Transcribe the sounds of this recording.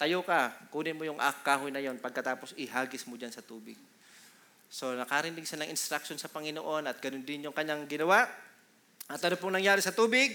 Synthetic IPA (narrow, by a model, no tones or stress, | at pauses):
t̪ɐjokɐkuːnɪmojʊŋʔɐ̰kaːɦʊjnɐjo̞npɐɡ̚kːɐt̪aːposʔɪɦaːɡɪsmod͡ʒansɐt̪uːbɪɡ̚ | so̞nɐkaɾɪnɪɡsanɐŋʔɪnst̪ɾɐk̚ʃo̞nsɐpɐŋɪnoʔo̞nɐt̪̚ɡ̥ɐnond̪ɪnjʊŋkɐɲaŋɡɪnɐwaʔ | ʔɐt̪ːɐnop̬ʊŋnɐŋjaːɾɪsɐt̪uːbɪɡ̚